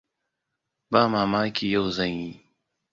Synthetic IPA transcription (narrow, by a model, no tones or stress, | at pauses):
baːmaːmaːkijowzɐ̃ŋiː